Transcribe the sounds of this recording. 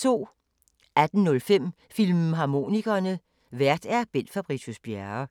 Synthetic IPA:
t͡sʰo̝̰ː | ʔæd̥n̩nɔ̽lfem̰ | filmɦɑ̈mo̝̰niɡ̥ɐnə | ʋæɐ̰d̥æɐb̥en̰d̥fɑ̈b̥ʁit͡sʰusb̥jæɐ

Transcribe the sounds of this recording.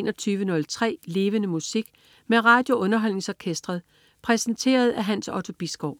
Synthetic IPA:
nɒt͡sʰyːʋənɔ̽lt͡sʰʁɛ̰ːle̝ːʋənəmusiɡ̥ | meʁɑ̈d̥jo̝ʔɔ̽nɐɦɒ̽l̰ne̝ŋsɒkʰesd̥ʁɐðˠ | pʰʁɛsən̩t͡sʰe̝̰ːɐð̞ˠæɦænsɒt͡sʰo̝b̥isɡ̥ɒʊ̰

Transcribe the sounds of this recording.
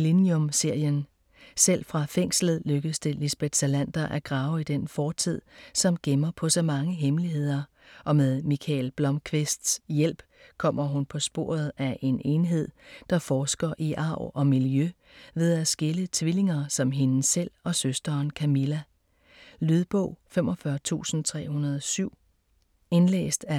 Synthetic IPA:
liniomse̝ɐ̰jən | sel̰fʁɑ̈feŋ̰sl̩ð̩ˠløɡ̥əsd̥elisb̥ed̥sælæn̰d̥ɐʔæɐɡ̥ʁɑ̈ːʊid̥enfɒːt͡sʰið̰ˠsɒ̽mɡ̥emɐpʰɒ̽sɒ̽mɑ̈ŋəɦemliɦe̝ð̞̰ˠɐ | ʔɒ̽meðˠmikʰɛlb̥lɒ̽mkʰʋesd̥sjel̰b̥ | kʰɒ̽m̰ɐɦunpʰɒ̽sb̥o̝̰ːɐð̞ˠæʔe̝ne̝nɦe̝ð̞̰ˠd̥ɑ̈fɒːsɡ̥ɐʔiʔɑ̈ʊ̰ɒ̽miljø | ʋe̝ð̞ˠæsɡ̥e̝lət͡sʰʋile̝ŋɐsɒ̽mɦe̝nsel̰ɒ̽søsd̥ɐːnkʰæmilæ | lyð̞ˠb̥ɔ̰ʊ̰fem̰ʔɒ̽fɶɐt͡sʰṵːsn̩t͡sʰʁɛ̰ːhunɐð̞ˠɒsyʊ̰ | e̝nlḛːsd̥æ

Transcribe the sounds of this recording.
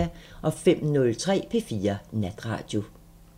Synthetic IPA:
æʔɒ̽fem̰nɔ̽lt͡sʰʁɛ̰ːpʰe̝fiːɐnæd̥ʁɑ̰̈ːd̥jo̝

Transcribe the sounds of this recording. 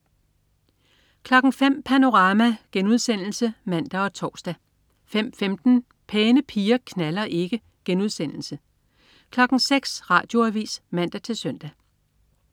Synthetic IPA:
kʰlɒ̽ɡ̥ŋ̩fem̰pʰæno̝ʁɑ̈ːmæɡ̥enuð̞ˠsen̰l̩səmæn̰d̥æɒ̽t͡sʰɒ̰ːsd̥æ | fem̰femd̥n̩ | pʰeːnəpʰiːɐkʰnælɐʔe̝ɡ̥ə | ɡ̥enuð̞ˠsen̰l̩sə | kʰlɒ̽ɡ̥ŋ̩seɡ̥sʁɑ̈ːd̥jo̝æʋḭːsmæn̰d̥æt͡sʰe̝lsœn̰d̥æ

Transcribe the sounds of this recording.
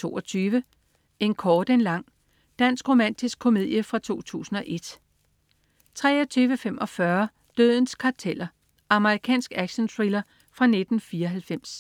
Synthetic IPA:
t͡sʰo̝̰ːʔɒt͡sʰyːʋə | e̝nkʰɒːd̥e̝nlɑ̈ŋ̰ | d̥æn̰sɡ̥ʁo̝mæn̰d̥isɡ̥ʰo̝me̝ð̞̰ˠjəfʁɑ̈t͡sʰo̝̰ːt͡sʰṵːsn̩ɒ̽ʔe̝d̥ | t͡sʰʁɛ̰ːɒt͡sʰyːʋəfemʔɒ̽fɶɐ | d̥øð̰ˠn̩skʰɑ̈t͡sʰel̰ɐ | ɑ̈məʁikʰɛ̰ːnsɡ̥æɡ̥ɕənt͡sʰʁilɐ | fʁɑ̈ne̝d̥n̩fiːɐɦælfem̰s

